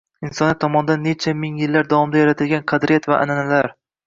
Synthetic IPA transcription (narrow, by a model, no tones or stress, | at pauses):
ɪnsɒnɪt̪ʰːɒmɒnɪd̪anːe̞t͡ʃʰamɪŋjɪlːaɾd̪avɒmd̪ajaɾat̪ʰɪlɡʲanqʰɑd̪ɾɪjat̪vaʔa̰nanalaɾ